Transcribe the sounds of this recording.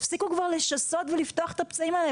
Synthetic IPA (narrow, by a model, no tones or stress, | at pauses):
fsikukvaʁleʃaso̞t̪velift̪oaχet̪apt͡saimale